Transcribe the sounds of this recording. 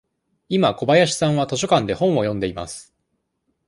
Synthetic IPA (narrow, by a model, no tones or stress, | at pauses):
imako̞bajaɕi̥sãɰ̃βat̪o̞ɕ̬o̞kãnd̪e̞hõ̞ɰ̃o̞jõ̞nd̪e̞ima̰sɨ̥